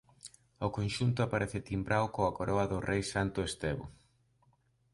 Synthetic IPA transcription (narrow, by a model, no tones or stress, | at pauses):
ʊkonʃunt̪ʊapaɾeθɪt̪imbɾawkoɐkoɾɔɐðʊrejsant̪ʊest̪eβʊ̰